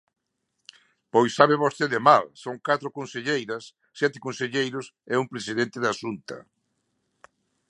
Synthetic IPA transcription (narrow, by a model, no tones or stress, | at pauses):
pojsaβeβost̪eðɪmalsoŋkat̪ɾʊkõnseʎejɾɐsːjɛt̪ɪkonseʎejɾʊsɛumpɾesiðent̪ɪðaʃunt̪ɐ̰